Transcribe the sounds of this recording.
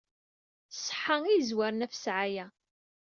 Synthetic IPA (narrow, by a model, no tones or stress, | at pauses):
sˤħəŋijzwaɾnæfə̥sʕajæ